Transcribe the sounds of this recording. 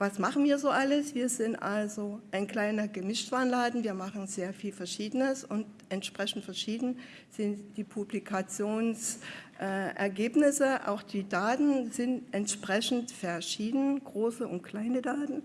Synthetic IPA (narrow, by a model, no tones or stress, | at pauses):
vasmaχn̩viːɐzoːʔaləsv̥iːɐzɪntʔalzoʔaɪnkl̥aɪnɐɡəmɪʃtv̥aːnlaːdn̩viːɐmaχn̩zeːɐfiːlfɛɐʃiːdənəsʊntʔɛntʃpʁ̥ɛçn̩tfɛɐʃiːdn̩ | z̥ɪntd̥iːpʰublikʰat͡sjoːnsʔɛːʔɛ̰ɐɡeːpnɪsəʔa̰ʊxd̥iːdaːtn̩zɪntʔɛntʃpʁ̥ɛçn̩tfɛɐʃiːdn̩ɡ̥ʁoːsəʊnt̚kʰl̥aɪnədaːtn̩